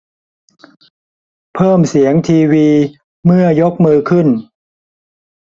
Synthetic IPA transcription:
pʰɤː˥˩msi˩˦əŋt̪ʰiː˧wiː˧ | mɯ˥˩ɐjo˦˥k̚mɯː˧kʰɯ˥˩n

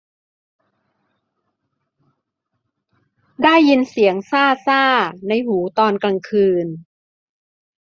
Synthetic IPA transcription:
daː˥˩jːi˧nsi˩˦əŋsaː˥˩saː˥˩na˧jhuː˩˦t̪ɔː˧nkla˧ŋkʰɯː˧n

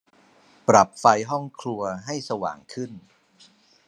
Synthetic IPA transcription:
pɾa˨˩p̚fa˧jɦɔ˥˩ŋkʰlu˧ɐɦa˥˩jsa˧wa̰ː˨˩ŋkʰɯ˥˩n

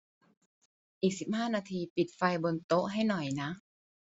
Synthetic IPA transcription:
ʔiː˨˩k̚si˨˩p̚haː˥˩naː˧t̪ʰiː˧pi˨˩t̪̚fa˧jbo˧nt̪o˦˥ʔɦa˥˩jnɔ˨˩jna˦˥ʔ

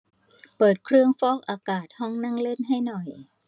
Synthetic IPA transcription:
pɤː˨˩t̪̚kʰɾɯ˥˧əŋfɔː˥˩k̚ʔaː˧kaː˨˩t̪̚hɔ˧˥˩ŋna˥˩˨ŋle˥˩nɦa˥˩jnɔ˨˩j

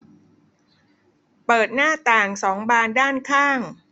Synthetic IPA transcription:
pɤː˨˩t̪̚naː˥˩t̪aː˨˩ŋsɔː˩˦ŋbaː˧ndaː˥˩nkʰaː˥˩ŋ

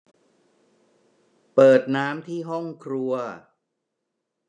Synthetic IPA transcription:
pɤː˨˩t̪̚naː˦˥mt̪ʰiː˥˩ɦɔ˥˩ŋkʰɾu˧ɐ

